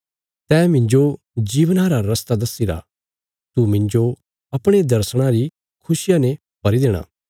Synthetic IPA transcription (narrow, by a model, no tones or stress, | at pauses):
t̪ɛːmɪ̃ɲd͡ʒo | d͡ʒiːʋənaɾaɾɐst̪ad̪ɐsːiɾa̰ | t̪umɪ̃ɲd͡ʒo | ɐpɽ̃ed̪ɐɾsɽ̃ãɾi | kʰʊsɪjãnẽ | bɐɾid̪eːɽ̃a̰ː